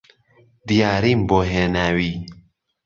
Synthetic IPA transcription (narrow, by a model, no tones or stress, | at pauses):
d̪ijaːɾimboɦenawi